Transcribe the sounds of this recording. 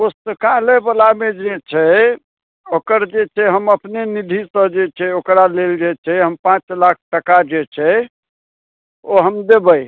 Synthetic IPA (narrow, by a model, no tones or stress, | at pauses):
osəkalebəlamed͡ʒet͡ʃʰɛ | okəɾd͡ʒet͡ʃʰɛɦəməpnenid̪ʱisəd͡ʒet͡ʃʰɛokɾaleld͡ʒɛt͡ʃʰɛɦəmpãt͡ʃlak̚ʰʈəkad͡ʒet͡ʃʰɛ | oɦəmd̪ebəj